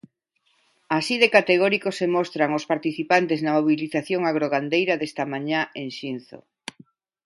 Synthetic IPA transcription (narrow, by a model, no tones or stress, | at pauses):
asiðekat̪eɣɔɾikosemɔst̪ɾaŋospaɾt̪iθipant̪eznamoβiliθaθjoŋaɣɾoɣand̪ejɾɐðest̪amãɲaenʃinθo̰